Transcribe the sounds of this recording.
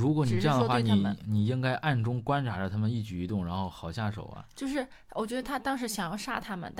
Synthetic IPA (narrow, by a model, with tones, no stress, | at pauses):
ɻu˧˥kwɔ˧˥ni˨˩ʈ͡ʂɤ˥˧jɑ˥˩˧ŋd̪ə˧xwa˥˧˩ni˨˧˩ni˨˩i˥ŋka˥ɪʔa˥˩nʈ͡ʂʊ˥ŋkwa˥nʈ͡ʂʰa˧˥lə˧t̪ʰa˥mə˨ni˥˩t͡ɕy˨˩i˧˥t̪ʊ˥˩ŋɻa˧˥nxo˥˩ʊxɑ˨˩ʊɕja˥˩ʂo̰˨˩ʊɐ̰˦t͡ɕjo˥˧ʊʂɻ̩˥˩ | wɔ˨˩t͡ɕɥɛ˧˥d̪ə˧t̪ʰa˥t̪ɑ˥ŋʂɻ̩˧˥ɕjɑ˨˩ŋjɑ˥˧ʊʂa˥t̪ʰa˥mə̰˨nt̪